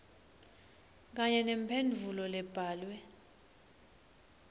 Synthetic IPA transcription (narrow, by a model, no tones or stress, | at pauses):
k̬aɲɛnempʰend͡vʱulɔlɛb̥ʱaːlwɛ